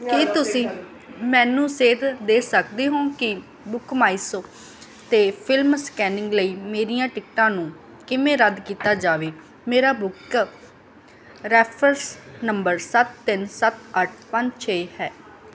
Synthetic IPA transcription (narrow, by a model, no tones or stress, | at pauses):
kit̪ʊsĩː | mɛ̃ːnũːseːd̪d̪eːsəkd̪eːɦõːkɪ | bʊkmaːisoː | t̪eːpʰɪlmskɛːnɪ̃ŋɡləiːmeːɾijãːʈɪkʈãːnũː | kɪmẽːɾəd̪kiːt̪aːd͡ʒaːʋeː | meːɾaːbʊk | ɾɛːpʰɾənsnəmbəɾsət̪ːɪnsət̪əʈʰpəɲd͡ʒt͡ʃʰeːhɛː